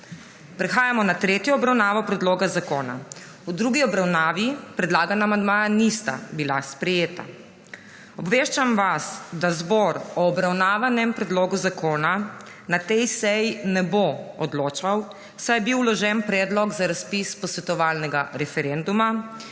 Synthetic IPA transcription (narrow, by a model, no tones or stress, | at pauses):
pɾɛxaːjamɔnat̪ɾet̪jɔːbɾawnaːʋɔpɾɛd̪loːɡazakoːna̰ | ud̪ɾuːɡiɔbɾawnaːʋipɾɛd̪laːɡanaːmand̪maːjanist̪a̰bilaspɾɛjeːt̪a̰ | ɔbʋeːʃt͡ʃamʋasd̪azbɔɾɔːbɾawnaːʋanɛmpɾɛd̪loːɡuzakoːna | nat̪ɛjsɛjinɛboɔd̪loːt͡ʃaw | sajɛbiwlɔʒɛnpɾɛd̪lɔɡzaɾaspispɔsʋɛt̪ɔʋaːlnɛɡaɾɛfɛɾɛnd̪uma